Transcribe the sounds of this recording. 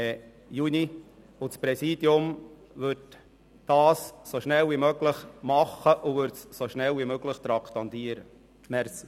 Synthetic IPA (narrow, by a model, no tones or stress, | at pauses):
juni | ʊt͡spɾɛsiːd̥jʊm | vʏɾt | d̥ɑːsːoʃnɛlvimøɡləχmɑχːəʔʊvʏɾtssoʃnɛlvimøɡləχt̪ɾɑkt̪ɑnt̪iəɾə | mɛɾsi